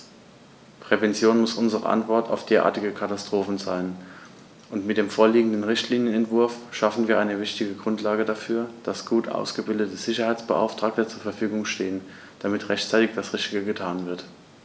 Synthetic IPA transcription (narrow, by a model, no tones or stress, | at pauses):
pʁ̥ɛvɛnt͡sjoːnmʊsʔʊnzəʁə̰ʔa̰ntv̥ɔɐtʰa̰ʊfd̥eːɐʔa̰ːɐtɪɡəkʰatastʁ̥oːfn̩zaːlən | ʔʊntmɪt̚d̥eːmfoːɐliːɡŋ̩dn̩ʁɪçtliːnjənɛntv̥ʊɐfʃafn̩viːɐʔaɪnəvɪçtɪɡəɡʁʊntlaːɡədafyːɐd̥asɡ̥uːtʔa̰ʊsɡ̥əbɪldətəz̥ɪçɐhaɪt͡sb̥əʔa̰ʊftʁ̥aːk̚tət͡suːɐfɛɐfyːɡʊŋʃteːən | d̥amɪtʁɛçtt͡saɪtɪçd̥asʁɪçtɪɡəɡətʰaːnvɪɐt